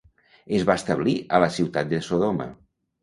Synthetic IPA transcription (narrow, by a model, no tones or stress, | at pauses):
əzβast̪əβ̞liələsiwt̪at̪̚d̪esoðomə̰